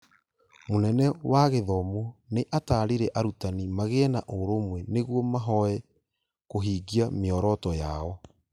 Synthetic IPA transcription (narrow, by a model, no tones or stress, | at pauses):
monɛnɛwaɣeðɔmoneʔataːɾiɾɛʔaɾutanimaɣeɛnaʔoɾomwɛneɣwɔmaɦɔɛ | koɦiːɡiameɔɾɔtɔjaɔ